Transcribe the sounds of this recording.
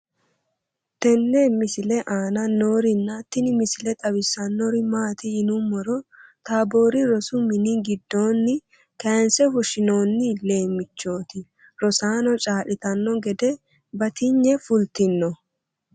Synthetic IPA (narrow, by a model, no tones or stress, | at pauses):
t̪ɛnːɛmɪsɪlɛʔaːnɐnoːɾɪnːɐt̪ːɪnɪmɪsɪlɛt̪ʼɐwɪsːɐnːɔɾɪmaːt̪ɪɪnʊmɔɾɔt̪aːbo̞ːɾɪɾɔsʊmɪnɪɡɪd̪ːo̞ːnːɪ | kɐnsɛfʊʃɪnoːnːɪle̞ːmːɪt͡ʃːo̞ːt̪ɪ | ɾɔsaːnɔt͡ʃʼaːʔɪt̪ɐnːɔɡɛd̪ɛ | bɐt̪ɪɲːɛfʊlt̪ɪnːɔ